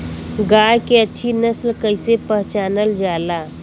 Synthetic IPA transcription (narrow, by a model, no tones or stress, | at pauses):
ɡaːkeɐtːʃʰinəslkəɪsepəɦt͡ʃaːnəld͡ʒaːlaː